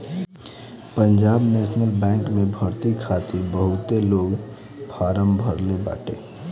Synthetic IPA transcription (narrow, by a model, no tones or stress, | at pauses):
pənd͡ʒaːbnesnəlbɛ̃ːŋkmẽbʱəɾt̪ikʰaːt̪iɾbəɦʊt̪eloːɡ | pʰaːɾəmbʱəɾleba̰ːʈḛː